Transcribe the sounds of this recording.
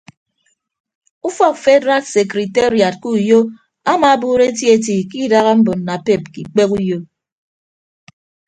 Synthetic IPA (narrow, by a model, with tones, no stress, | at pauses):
u˦fɔ˦˨k̚fe˦dɾa˦tse˨kɾi˨te˦ɾi˨a˨t̚ku˦˨jo˦ | a˦ma˨˦bu˦ɾe˦tje˦t̬i˨ki˦da˦ɣa˦m̩˦bo˨n̩ː˨a˨pe˦˨p̚ki˨k͡pe˦ku˦jo˦